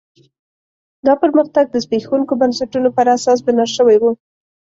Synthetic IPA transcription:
d̪ɑpəɾməxt̪aɡ̚d̪əzbexawuŋkobansaʈunopəɾasɑs̬bənɑʃəwajwu

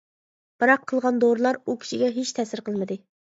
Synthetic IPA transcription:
b̥ɨɾɑqʰːəlˠʁɑnd̪oɾlˠɑɾukʲʰi̥ʃiɡʲɛɦet͡ʃt̪ʰɛsɪɾqəlˠmɨd̪ɨ

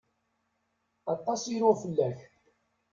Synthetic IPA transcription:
ɑt̪ˤːɑsiɾʊfəlːæç

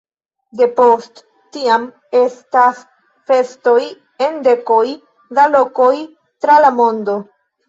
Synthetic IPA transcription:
de̞post | tiam | e̞stas | fe̞sto̞j | e̞nde̞ko̞j | dalo̞ko̞j | tɾalamo̞ndo̞

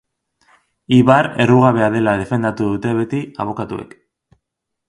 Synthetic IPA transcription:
iβaɾe̞ruɣ̞aβe̞aðe̞laðe̞fe̞nd̪at̪uðut̪e̞βe̞t̪iaβ̞o̞kat̪ue̞̰k

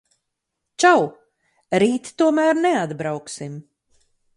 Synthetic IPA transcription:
t͡ʃaw | ɾiːt̪t̪uɔmæːɾnɛad̪bɾawksim

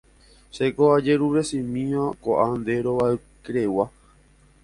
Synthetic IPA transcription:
ʃekoad͡ʒeɾuɾesĩmĩãkoʔand̪eɾoʋae | kɾewa

